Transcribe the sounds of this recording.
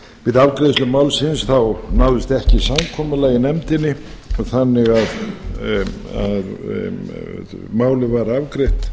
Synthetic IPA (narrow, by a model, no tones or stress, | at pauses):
vɪðavkɾeðslʏmaːwlsɪnsθawnawðɪst̪ɛhcɪsamkʰɔːmalaɣinɛmt̪ɪnːɪ | ɔθanːɪɣað | að | ð | maːwlɪvaɾavkɾeht̪